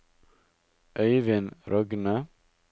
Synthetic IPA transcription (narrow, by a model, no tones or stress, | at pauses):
ʔœʏʋɪnɾʔɔɡnə